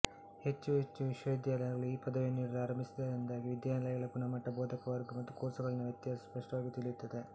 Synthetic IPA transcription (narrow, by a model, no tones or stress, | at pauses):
he̞t͡ʃːuɦet͡ʃːuʋiʂʋɐid̪jaːlɐjɐɡɐɭuiːpɐd̪ɐʋiniːɽɐɾaːɾɐmbisid̪ɐɾind̪aːɡiʋid̪jaːlɐjɐɡɐɭɐpunɐmɐʈːɐboːd̪ʱɐkɐʋɐɾɡumɐt̪ːukoːɾsɐɡɐɭɐnːuɐʋjɐt̪ːjaːɐspɐʂʈɐʋaːɡit̪iɭijut̪ːɐd̪e